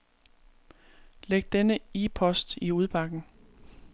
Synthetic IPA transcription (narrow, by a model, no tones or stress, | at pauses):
leɡ̥̚d̥enəipʰɒ̽sd̥iuð̞ˠb̥ɑ̈ɡ̥n̩